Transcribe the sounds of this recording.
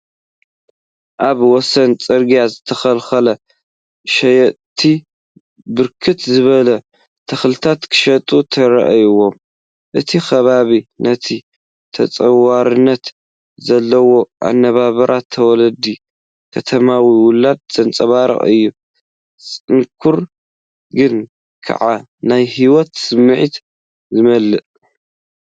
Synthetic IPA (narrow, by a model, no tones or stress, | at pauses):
ʔaβwɔsɐnt͡sʼɨɾɡijazɨt̪ʰɐxɐlxɐlɐ | ʃɐjt̪ʰi | bɨɾkʰɨt̪zɨβɐlɐ | t̪ʰɐxlɨt̪ʰat̪kʰɨ̥ʃɐt̪ʼut̪ʰɐɾɐ̰ʔajwom | ʔɨt̪ʰixɐβaβinɐt̪ʰi | t̪ʰɐt͡sʼɐwaɾɨnːɐt̪ | zɐlːɐwo̞ʔa̰nːɐβaβɐɾʔat̪ʰːɐwɔlɐd̪i | kʰɐt̪ʰɐmawiwʊlːad̪̚z̥ɐnt͡sʼɐβaɾɐ̰χʼɨ̰jːu | st͡sʼɨŋkʰuɾ | ɡɨn | kʰa̰ʕa | najhiwɔt̪sɨmːɨʕit̪ | zɨmɐlːɨʔ